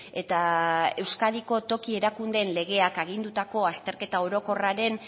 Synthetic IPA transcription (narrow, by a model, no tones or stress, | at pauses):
e̞t̪ae̞wskaðiko̞t̪o̞kie̞ɾakund̪enle̞ɣ̞e̞akaɣ̞ind̪ut̪ako̞ast̪e̞ɾke̞t̪ao̞ɾo̞ko̞raɾe̞n